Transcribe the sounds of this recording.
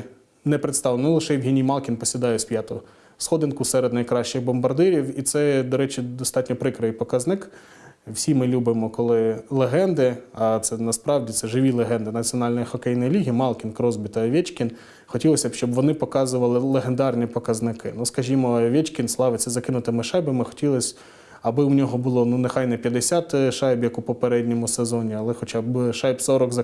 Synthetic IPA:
nɛpɾet̪st̪ɑʋlnʊlˠɪʃɛjwɦinʲimɑlˠkʲinpɔsʲɪd̪ɑjʊspʲjɑt̪ɔ | sxɔd̪ɪnkʊsɛɾed̪nɐjkɾɑʃt͡ʃɪɣbɔmbɐrd̪ɪɾʲiwit̪sɛd̪ɔɾɛt͡ʃid̪ɔst̪ɑtʲnʲɔpɾɪkɾɐʋɪjpɔkɐznɪk | wsʲimɪlʲubɪmɔkɔlˠɪlˠeɦɛnd̪ɪɐt̪sɛnɐspɾɑwdʲit̪sɛʒɪʋʲilˠeɦɛnd̪ɪnɐt͡sʲiɔnɑlʲnɔjixɔkɛjnɔjlʲiɦʲijimɑlˠkʲinkɾɔzbʲit̪ɐʋʲɛt͡ʃkʲin | xɔtʲilˠɔsʲɐbʃt͡ʃɔbʋɔnɪpɔkɑzʊʋɐlˠɪlˠeɦend̪ɑrnʲipɔkɐznɪkɪnuskɐʒʲimɔʋʲɛt͡ʃkʲinslˠɑʋɪt͡s̪ʲɛzɐkɪnʊt̪ɪmɪʃɑjbɪmɪxɔ̥tʲilˠɔsʲ | ɐbɪwnʲɔɦɔbʊlˠɔnunexɑjnɛpʲjɐd̪esʲat̪ʃɑjbjɐkʊpɔpeɾɛdʲnʲɔmʊsezɔnʲiɐlˠɛxɔt͡ʃɑbʃɑjbsɔɾɔkzɐ

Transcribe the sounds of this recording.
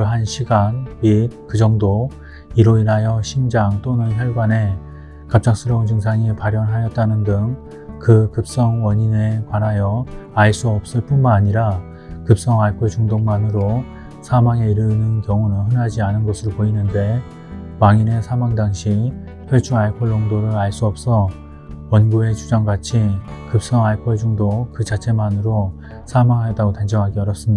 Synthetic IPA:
ɭɦanɕʰiɡanmit̚kɯd͡ʑʌŋdo | iɾoinajʌɕʰimd͡ʑaŋt͈onɯnçʰjʌɭɡane̞ | kap̚t͡ɕ͈aks͈ʰɯɾʌunt͡ɕɯŋsʰaŋipaɾjʌnɦajʌt̚t͈anɯndɯŋ | kɯkɯp̚s͈ʌŋwʌɲine̞kwanajʌaɭs͈uʌp̚s͈ɯɭp͈unmanaɲiɾa | kɯp̚s͈ʌŋaɭkʰuɭt͡ɕuŋdoŋmanɯɾo | sʰamaŋe̞iɾɯnɯnkjʌŋunɯnɦɯnɦad͡ʑianɯnɡʌsʰɯɾopoinɯnde̞ | paŋine̞sʰamaŋdaŋɕʰi | pʰjʌt͡ɕʰuaɭpʰʌɭːoŋdoɾɯɾaɭs͈uʌp̚s͈ʌ | wʌnɡue̞t͡ɕud͡ʑaŋɡat͡ɕʰikɯp̚s͈ʌŋaɭpʰʌɭd͡ʑuŋdokɯt͡ɕat͡ɕʰe̞manɯɾo | sʰamaŋɦajʌt͈aɡotand͡ʑʌŋɦaɡiʌɾjʌs͈ɯmɲida

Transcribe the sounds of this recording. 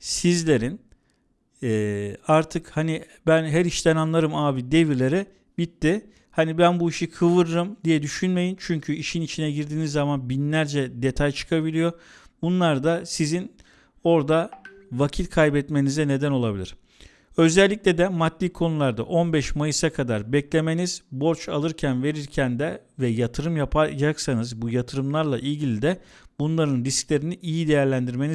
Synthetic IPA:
sizlʲe̞ɾin | ɛaɾt̪ʰɯkhani | bænɦæɾiʃt̪ʰænanlˠaɾɯmaːbid̪e̞viɾlʲe̞ɾɛ | bit̪ːi | hanibænbuiʃikʰɯvɯɾɯɾɯmd̪ijɛd̪yʃynme̞jint͡ʃʰyɲcʰyiʃinit͡ʃʰinɛɟiɾd̪iːnizːamanbinlʲæɾd͡ʒɛd̪e̞t̪ʰajt͡ʃʰɯ̥kʰabilʲijo̞ | bunlˠaɾd̪asizin | o̞ɾd̪a | vacʰit̪kʰajbɛt̪me̞nizɛne̞d̪æno̞lˠabilʲḭɾ̥ | ø̞zælʲːicʲlʲed̪ɛmat̪ːʲiːkʰo̞nulˠaɾd̪a̰ʔo̞nbɛʃmajɯsakʰad̪aɾbɛclʲe̞me̞niz̥bo̞ɾt͡ʃalˠɯɾcʰænve̞ɾiɾcʰænd̪ɛvɛjat̪ʰɯɾɯmjapʰad͡ʒaksanɯzbujat̪ʰɯɾɯmlˠaɾlˠa̰ʔilʲɟilʲid̪ɛ | bunlˠaɾɯnɾisclʲe̞ɾiniʔijid̪e̞jæɾlʲænd̪iɾme̞ni

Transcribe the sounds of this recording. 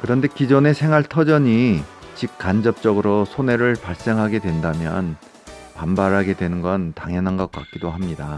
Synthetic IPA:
kɯɾʌnde̞kid͡ʑʌne̞sʰe̞ŋɦaɭtʰʌd͡ʑʌɲi | t͡ɕik̚k͈and͡ʑʌp̚t͡ɕ͈ʌɡɯɾosʰone̞ɾɯɭpaɭs͈e̞ŋɦaɡe̞dwe̞ndamjʌ̰n | pambaɾɦaɡe̞dwe̞nɯnɡʌntaŋjʌnɦanɡʌk̚k͈a̰k̚k͈idoɦamɲida

